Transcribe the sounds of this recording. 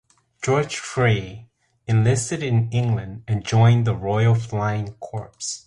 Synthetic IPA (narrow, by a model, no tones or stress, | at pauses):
d̥ʒ̥ɔɹ̥ʒ̥fɹeɪ | ɨ̃nlɪstɨɾɨ̃nɪ̃ŋɡlɨ̃ndɨ̃nd͡ʒɔ̃ɪ̃nðəɹɔɪl̩ˠflaɪɪ̃ŋkʰɔɹps